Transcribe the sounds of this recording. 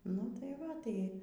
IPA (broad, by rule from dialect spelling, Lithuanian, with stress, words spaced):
nʊ tɐɪ ˈʋɐ tɐɪ